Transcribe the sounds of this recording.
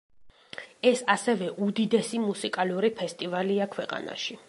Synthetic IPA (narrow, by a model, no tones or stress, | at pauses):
ɛsasɛvɛʔud̪id̪ɛsimusikʼaluɾipʰɛst̪ʼivaliakʰwɛqʼa̰na̰ʃi